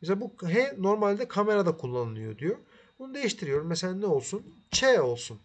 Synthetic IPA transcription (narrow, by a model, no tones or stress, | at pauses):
meslabuɦɛno̞ɾmalʲd̪ɛkʰame̞ɾad̪akʰulˠːanɯlˠɯjo̞̰d̪ijo̞ | bunud̪e̞jiʃt̪ʰiɾijo̞ɾumːeselʲaːnɛo̞lˠsunt͡ʃʰɛo̞lˠsun